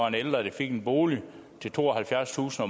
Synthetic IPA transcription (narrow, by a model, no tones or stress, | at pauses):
ɑneld̥ʁɐd̥efe̝ɡ̥enb̥o̝ːli | t͡sʰe̝lt͡sʰo̝̰ːɒɦælfjæɐst͡sʰṵːsn̩ɒ̽